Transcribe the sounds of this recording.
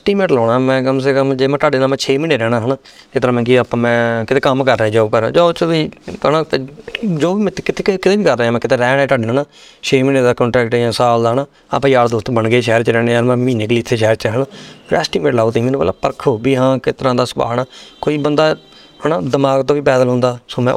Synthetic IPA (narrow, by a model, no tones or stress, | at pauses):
ɛːsʈiːmẽːʈlɔːɳaːmɛ̃ːkəms̬eːkəmd͡ʒeːmɛ̃ːt̪aːɖeːnãːmɛ̃ːt͡ʃʰeːmiːneːɾɛːɽ̃aːɦənaː | ɪt̪əɾãːmɛ̃ːkiəpãːmɛ̃ːkɪt̪ʰeːkəmkəɾːɛ̃ːd͡ʒaːoːpəɾ̰d͡ʒaːt͡ʃəʋiːənãːt̪ːd͡ʒoːiːmɛ̃kɪt̪ʰeːkɪt̪eːiːkəɾːeːaːmɛ̃ːkɪt̪ʰeːɾɛːɽɛːt̪aːɖeːnãːnaː | t͡ʃʰeːmiːneːd̪aːkɔ̃ːɳʈɾɛːkʈɛːjãːsaːld̪aːɦnaː | a̰pãːjaːɽd̪oʊːst̪bəɳɡeːʃɛːɾt͡ʃəɾɛːɽeaːɾmɛ̃ːmiːneːkliːɪt̪ʰːeːʃɛːɾt͡ʃːɦənaːɾɛ̰ːsʈiːmeɖlaːoːt̪eĩːmeːnũːpə̰la̰ːpəɾkʰobiːɦãːkɪt̪əɾãːd̪aːsəba̰ːnaːkoːiːbənd̪aː | hənaːd̪əmaːɡt̪õːʋiːpɛːd̪əlɦõːnd̪aːsoːmɛ̃ː